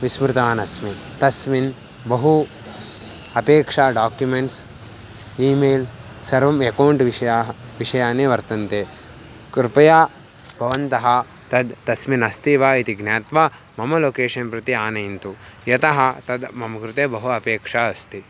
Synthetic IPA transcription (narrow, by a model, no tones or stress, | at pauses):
ʋismɾɪt̪aːnɐsmit̪ɐsmin | bɐɦu | ɐpeːkʂaːɖaːkjumeɳʈs | iːmeːl | sɐɾʋɐmekɐːɳʈʋiʃɐjaːɦɐʋiʂɐjaːneːʋɐɾt̪ɐnt̪eː | kɾɪpɐjaː | bʱɐʋɐnt̪ɐɦɐ̆ | t̪ɐd̪t̪ɐsminɐst̪iʋaːit̪iɡnjaːt̪ʋaː | mɐmɐloːkeːʃɐnpɾɐt̪iaːnɐjint̪ujɐt̪ɐɦɐ̆t̪ɐd̪mɐmɐkɾut̪eːbɐɦuɐpeːkʂaːɐst̪i